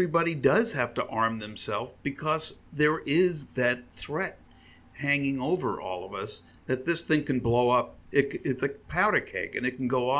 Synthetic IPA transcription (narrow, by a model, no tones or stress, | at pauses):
ɹibɑɾidʌz̥hæftəʔɑɹmðɨ̃msɛlˠfb̥ɨkʰʌzðə˞ʔɪzðɨt̪̚θɹɛt̚ | hæ̃ŋɪ̃ŋoʊvə̰˞ʔɔ̰lˠʌvʌs | ðɨt̪̚ðɪsθɪ̃ŋkɨ̃n̩bloʊʌp̚ɪt̚kɪtsɨpʰaʊɾɨkʰeɪkɨ̰̃nɨt̚kn̩ɡoʊ